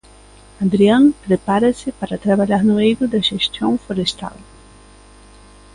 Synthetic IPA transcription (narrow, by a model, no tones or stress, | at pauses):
ad̪ɾiɐ̃ŋpɾepaɾɐsɪpaɾɐt̪ɾaβaʎaɾnʊejɾʊd̪ɐʒest̪õw̃foɾest̪a̰l